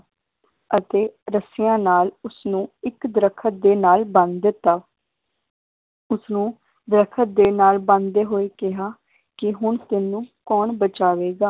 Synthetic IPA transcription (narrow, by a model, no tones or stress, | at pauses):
ət̪eːɾəsɪjãːnaːlʊsnũːɪkd̪ɾəkʰət̪̚d̪eːnaːlbənd̪t̪ːaː | ʊsnũː | d̪ɾəkʰət̪̚d̪eːnaːlbə̃nd̪eːɦoːeːkɪɦaː | kɪɦʊɳt̪ɪnũːkɔːnbət͡ʃaːʋeːɡaː